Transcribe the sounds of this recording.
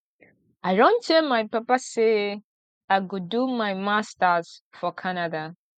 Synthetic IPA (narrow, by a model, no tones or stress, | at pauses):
ajɹõntemajpapase | aɡudumajmastasfɔkʰanada